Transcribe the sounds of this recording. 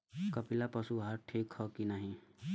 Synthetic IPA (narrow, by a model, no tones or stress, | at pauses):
kɐpilapɐsuɦaɾʈʰiːkhɔkinaɦĩ